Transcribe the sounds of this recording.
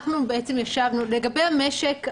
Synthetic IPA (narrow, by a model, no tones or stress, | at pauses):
χnubeʔesemjaʃavnuleɡabe̞jhameʃek